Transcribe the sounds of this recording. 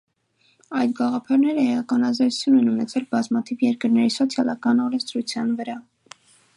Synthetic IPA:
ɑjt̪ɡɑʁɑpʰɑɾnɛɾəhɛjɑkɑnɑzɑju̥t͡sʰjunɛnunɛt͡sʰɛlbɑzmɑt̪ʰivjɛɾkəɾnɛɾisɔt͡sʰjɑlɑkɑnɔɾɛnst̪ɾut͡sʰjɑnvəɾɑ

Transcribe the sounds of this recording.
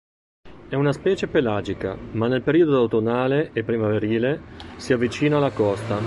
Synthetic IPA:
ɛunaspɛːt͡ʃepelaːd͡ʒika̰manːelpeɾiːod̪od̪awt̪onaːleepːɾimaveɾiːlesiavːit͡ʃiːnaːlakɔst̪a

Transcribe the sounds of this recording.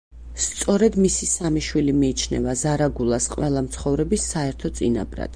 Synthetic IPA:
st̪sʼɔɾɛd̪misisamiʃwilimiːt͡ʃʰnɛ̰vazaɾaɡulˠasqʼwɛlˠamt̪sʰχɔvɾɛbisːaɛɾt̪ʰɔt̪sʼina̰bɾa̰d̪̥

